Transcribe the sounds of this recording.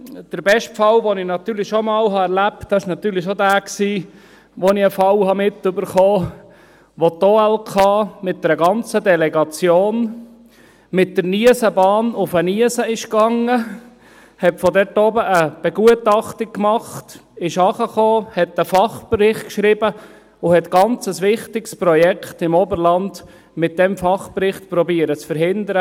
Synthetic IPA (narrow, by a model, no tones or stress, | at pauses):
d̥əɾbɛʃtfɑwʋonɪnɑt̪ːyːɾlɪʃomɑːlɦɑɛɾlæp̚td̥ɑɪʃnɑt̪yːɾlɪʃodæːksiː | ʋonɪəfɑwhɑmɪt̪ːʏbəɾχoː | ʋot̪oːɛlkʰɑːmɪt̚d̥̪ɛɾəɡɑnt͡səd̪ɛlɛɡɑt͡sjoːn | mɪt̚d̥̪əɾniəsəbɑːnʊfəniəsəɪʃkɑŋːə | hɛtfɔdɛtɔːbəʔəb̥ɛɡ̥uətɑχtɪk̚kmɑχtɪʃɑχəχoːhɛtəfɑχbɾɪχtkʃɾibə | ʊhɛt̪ɡ̥ɑnt͡səsʋɪχtɪkspɾɔjɛkχtɪmɔbəɾlɑnd | mɪt̚d̥ɛmfɑχpɾɪχtpɾɔbiəɾət͡sfəɾɦɪndəɾə